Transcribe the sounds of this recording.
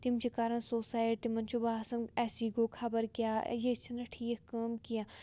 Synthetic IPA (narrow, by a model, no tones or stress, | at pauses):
t̪imt͡ʃikaːɾɐnsoːsaːjeʈ̚t̪imɐnt͡ʃʰubaːsɐnɛːsiɡoːkʰɐbəɾkja̰ːjet͡ʃʰɐnɐʈʰiːkkɐːmkijãː